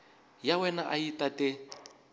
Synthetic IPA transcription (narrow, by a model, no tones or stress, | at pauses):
jawɛnaʔajitʼatʼɛ